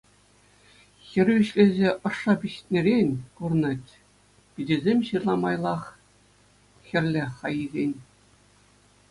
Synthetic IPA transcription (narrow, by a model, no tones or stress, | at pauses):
xʲɘ̆rʲʋʲiɕlʲezʲeʔɤ̆ʂːɑpʲiɕt̪ʲnʲeɾʲenʲkurnɤtʲ | pʲidʲĕzʲemʲɕɯrlˠɑmɑjlˠɑχ | xʲɘ̆rʲlʲeχɑjizʲenʲ